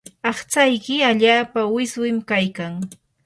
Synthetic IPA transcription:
ɑχt͡sajkɪaʎaːpawɪswɪmkajkaŋ

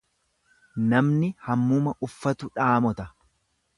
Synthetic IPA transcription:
nɐmnɪhɐmːuːmɐʔʊfːɐt̪ʊᶑaːmɔt̪ɐ

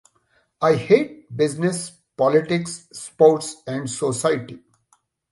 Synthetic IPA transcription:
aɪheːʈ̚bɪznɪs | pɔlɪʈɪksːpoːɾʈsɛ̃ɳɖsosaɪʈi

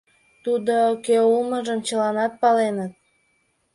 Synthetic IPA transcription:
t̪ud̪okeulməʒəmt͡ɕəlɑnɑt̪̚pɑlenət̪̚

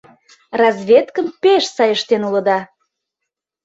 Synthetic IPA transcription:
rɑzβʲet̪kəmpeʃsɑjəʃt̪enulə̆d̪ɑ

